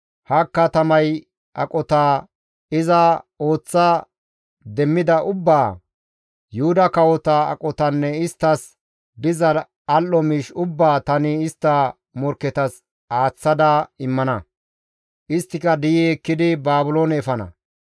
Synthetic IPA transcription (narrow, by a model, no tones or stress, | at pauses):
hɐkːɐt̪ɐmɐj | ʔɐkʼɔt̪aː | ɪzɐo̞ːt͡sːɐ | d̪ɛmːɪd̪ɐʔʊbːaː | jʊhʊd̪ɐkɐwɔt̪ɐɐ̰kʼɔt̪ɐnːɛɪst̪ːɐs | b̪ɪzɐ | ɐlːɔmiːʃʊbːaːt̪ɐnɪɪst̪ːɐ | mɔɾkːɛt̪ɐs | aːt͡sːɐd̪ɐɪmːɐnɐ | ʔɪst̪ːɪkɐd̪ɪjɛɛkːɪd̪ɪbaːbʊloːnɛːfɐnɐ̰